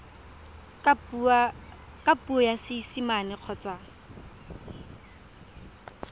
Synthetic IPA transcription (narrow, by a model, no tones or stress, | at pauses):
kʼapuɔjasɪsimanɪq͡χʰɔt͡sʼa